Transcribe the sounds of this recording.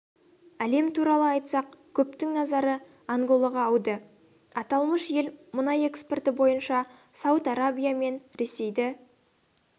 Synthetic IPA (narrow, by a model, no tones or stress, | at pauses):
æle̞mt̪ʰuɾɑlˠəɑjt̪sɑqkʲʰɵp̚t̪ɪŋnɑzɑɾə | aŋɡo̞lˠɑʁɑːwd̪ə | ɑt̪ɑlˠməʃje̞lmʊnɑje̞kspe̞rt̪ɪbo̞jənʃɑ | sɑwət̪ɑɾabʲijame̞nɾe̞se̞jd̪ɪ